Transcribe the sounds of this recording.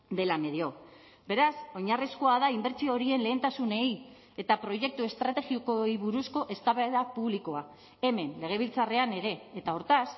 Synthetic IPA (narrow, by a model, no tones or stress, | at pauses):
d̪e̞lame̞ðio̞ | be̞ɾaso̞ɲariskoaðaimbe̞ɾt͡sioɾie̞nle̞ːnt̪asune̞j | e̞t̪apɾo̞ʝe̞k̚t̪ue̞st̪ɾat̪e̞ɣiokoiβuɾusko̞ʔe̞st̪aβeðapuβliko̞a | e̞me̞nle̞ɣ̞e̞β̞ilt͡sare̞ane̞ɾe̞ːt̪aoɾt̪as